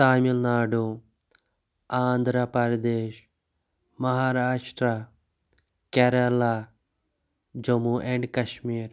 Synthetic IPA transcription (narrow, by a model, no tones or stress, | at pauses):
taːmilnaːɖu | aːnd̪ɾɐpɐɾd̪eːʃ | mɐɦaːɾaːʂʈɾa | keɾɐla | d͡ʒɐmuʔeɳɖkɐʃmiːɾ